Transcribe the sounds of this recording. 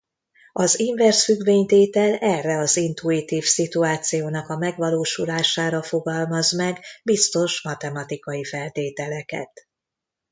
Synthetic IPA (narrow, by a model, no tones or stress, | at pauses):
ɒziɱvɛrsfyɡveːɲt̪eːt̪ɛlɛrːɛɒzint̪uit̪iːfsit̪uaːt̪sijoːnɒkɒmɛɡʋɒloːʃulaːʃaːɾɒfo̞ɡɒlmɒzmɛɡbist̪o̞ʃmɒt̪ɛmɒt̪ikɒjifɛlt̪eːt̪ɛlɛkɛ̰t̪